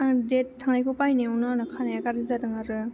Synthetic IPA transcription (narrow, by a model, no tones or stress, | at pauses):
adet̚tʰːaŋnajkʰupajniɔnɔnɯkʰanajakaɾɯzadɯŋaɾɯ